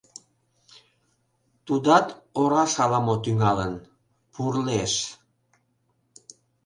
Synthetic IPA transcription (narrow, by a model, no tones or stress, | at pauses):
t̪ud̪ɑt̪oɾɑʃɑlɑmot̪yŋɑlən | purleʃ